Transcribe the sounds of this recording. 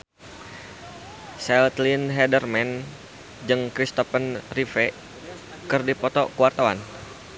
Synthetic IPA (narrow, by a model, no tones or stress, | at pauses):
sɛlt̪linɦɛdərmɛn | d͡ʒɨŋkɾist̪ɔfənrifɛ | kɨrdipɔt̪ɔkuwart̪awan